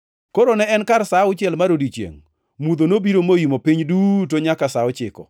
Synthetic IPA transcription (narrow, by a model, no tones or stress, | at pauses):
koɾonɛɛnkarsaʊt͡ʃɪɛlmaɾodit͡ʃjḛŋ | mud̪onobiɾomojimopiɲdut̬oɲakasaʊt͡ʃɪkɔ̰